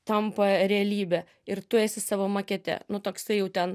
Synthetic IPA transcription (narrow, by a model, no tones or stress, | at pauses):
t̪ɐmpɐɾʲɛɐlʲiːbʲɛ | ɪɾt̪ʊeːsʲɪsɑːʋoːmɐkʲɛt̪ʲɛ̰nʊt̪oːksɐɪjɛʊt̪ʲɛn